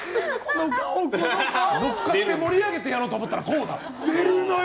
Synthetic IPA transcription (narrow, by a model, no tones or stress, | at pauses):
kʰonokaokoɾokːak̪emo̞ɾʲiaɡe̞t̪e̞jaɾo̞ːt̪omo̞t̪ːaɾa̰ko̞ːd̪a̰ | no